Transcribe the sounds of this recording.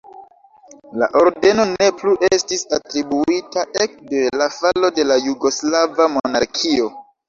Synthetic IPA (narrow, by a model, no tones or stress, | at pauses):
la̰ʔo̞ɾde̞no̞ne̞pluʔe̞stisatɾibuitaʔe̞k̚de̞lafalo̞de̞lajuɡo̞slavamo̞onaɾkʰio̞